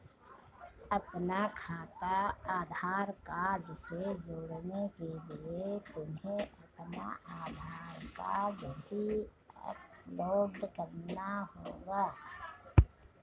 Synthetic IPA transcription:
əpnakʰaːt̪aaːd̪ʱaːɾkaːdsed͡ʒoːɽnekeliet̪ʊmɦẽɐpna̰ʔaːd̪ʱaːɾka̰d͡ʒbʱi | ə̰ploːɖkəɾnaɦoːɡaː

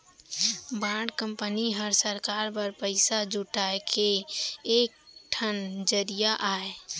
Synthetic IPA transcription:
bãːɽkə̃mpəniɦəɾsəɾkaːɾbəɾpəɪsad͡ʒuʈaːekʰeeːk̚ʈʰənd͡ʒəɾijaʔaːe

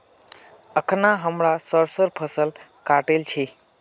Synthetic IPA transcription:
əkʰnaɦəmɽasəɾsəɾpʰəsəl | kaʈelt͡ʃʰe

